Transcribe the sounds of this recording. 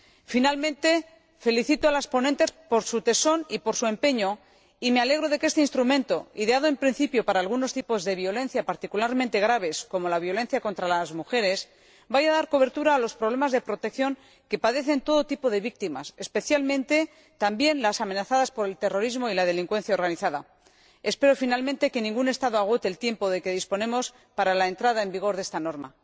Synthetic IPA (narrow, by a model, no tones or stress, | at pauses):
finalmẽnt̪e̞ | fe̞liθit̪oalaspo̞ne̞nt̪e̞spo̞ɾsut̪e̞so̞nipo̞ɾsue̞mpe̞ɲo̞ | ime̞ale̞ɣ̞ɾo̞ð̞e̞ke̞st̪e̞inst̪ɾumẽ̞nt̪o̞iðeað̞oe̞mpɾin̟θipjo̞paɾaːlɣ̞uno̞st̪ipo̞zðe̞βjo̞le̞n̟θjapaɾt̪ikulaɾmẽnt̪e̞ɣɾaβ̞e̞sko̞mo̞laβ̞jo̞lẽ̞n̟θjako̞nt̪ɾalazmuxe̞ɾe̞s | bajaðaɾko̞β̞e̞ɾt̪uɾaːlo̞spɾoβ̞le̞mazðe̞pɾo̞t̪e̞k̚θjo̞ŋ | ke̞paðe̞θe̞nt̪o̞ð̞o̞t̪ipoðe̞βik̚t̪ima̰se̞spe̞θjalmẽ̞nt̪e̞ | t̪ambje̞nlasamẽ̞naθaðaspo̞ɾe̞lt̪e̞ro̞ɾizmo̞ilað̞e̞liŋkwẽ̞n̟θjao̞ɾɣaniθaða | e̞spe̞ɾo̞finalmẽnt̪e̞ke̞nĩŋɡune̞st̪aðo̞aɣ̞o̞t̪e̞ːlt̪je̞mpo̞ðe̞ke̞ð̞ispo̞ne̞mo̞s | paɾalae̞nt̪ɾaðae̞mbiɣ̞o̞ɾðe̞st̪ano̞ɾma̰